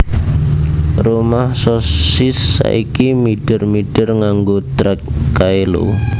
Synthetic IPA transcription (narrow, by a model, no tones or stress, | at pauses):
rumahsɔsɪsːa̰ʔikimiɖ̥ə̤rmiɖ̥ərŋaŋɡot̪ɾakkːaelo̰